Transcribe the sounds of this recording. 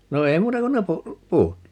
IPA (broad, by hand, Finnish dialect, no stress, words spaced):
no ei muːtɑ kun ne pu puːt